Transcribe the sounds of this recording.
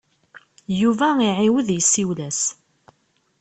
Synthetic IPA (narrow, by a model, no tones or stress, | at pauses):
juvæiʕiwəðjəsːiwlæs